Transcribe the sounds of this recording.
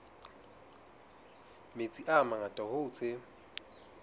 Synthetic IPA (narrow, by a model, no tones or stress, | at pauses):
met͡sʼiʔamaŋatʼɔhʊːt͡sʰɪ